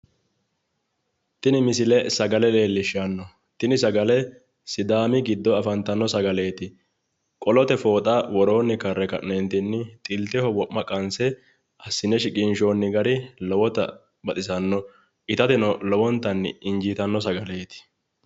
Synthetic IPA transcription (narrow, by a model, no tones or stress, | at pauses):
t̪ɪnɪmɪsɪlɛsɐɡɐlɛle̞ːlːɪʃanːɔ | t̪ɪnɪsɐɡɐlɛ | sɪd̪aːmɪɡɪd̪ːɔɐfɐnt̪ɐnːɔsɐɡɐle̞ːt̪ɪ | kʼɔlɔt̪ɛfo̞ːt̪ʼawɔɾo̞ːnːɪkɐrːɛkɐ̰ʔnɛnt̪ɪnːɪt̪ʼɪlt̪ɛhɔwɔʔmːɐkʼɐnsɛ | ɐsːɪnɛʃɪkʼɪnʃo̞ːnːɪɡɐɾɪlɔwɔt̪ɐ̰ | bɐt̪ʼɪsɐnːɔ | ɪt̪ɐt̪ɪnɔlɔwɔnt̪ːɐnːɪ̰nd͡ʒiːt̪ɐnːɔsɐɡɐleːt̪ɪ̥